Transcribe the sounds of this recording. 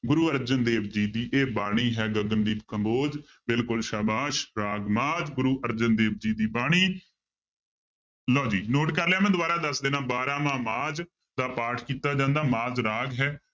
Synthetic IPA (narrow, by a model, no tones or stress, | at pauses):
ɡʊɾuːəɾd͡ʒənd̪eːbd͡ʒiːd̪iːʔeːbaːɽ̃iːɦɛːɡəɡənd̪iːbkəmboːd͡ʒ | bɪlkʊlʃaːbaːʃɾaːɡmaːd͡ʒɡʊɾuːʔəɾd͡ʒənd̪eːb̚d͡ʒiːd̪iːbaːɽ̃iː | lɔːd͡ʒiːnoːʈkəɾlɛaːmɛ̃ːd̪ʊʋaːɾaːd̪əsd̪eːnãːbaːɾãːmãːmaːd͡ʒ | d̪aːpaːʈʰkiːt̪aːd͡ʒãːnd̪aːmaːd͡ʒɾaːɡɦɛː